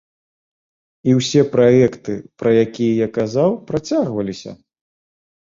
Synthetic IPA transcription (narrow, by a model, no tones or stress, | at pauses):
iwsʲɛpɾaɛkt̪ɨpɾɐjakʲijɛjakazawpɾat͡sʲaɣvɐlʲisʲɐ̰